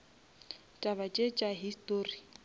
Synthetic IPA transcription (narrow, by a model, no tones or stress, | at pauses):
t͡ʃʼaβat͡ʃʼet͡ʃʼaɦistʼoːri